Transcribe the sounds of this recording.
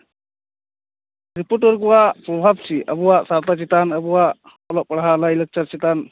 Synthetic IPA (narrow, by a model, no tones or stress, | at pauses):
ɾipuɾʈɔɾk̬ɔwaʔpɾɔbʱab̚t͡ʃʰiʔə̰buwaʔsaɾt̪at͡ʃit̪anəbuwaʔ | ɔlɔʔpɐɽɦalailɛk̚t͡ʃaɾt͡ʃit̪an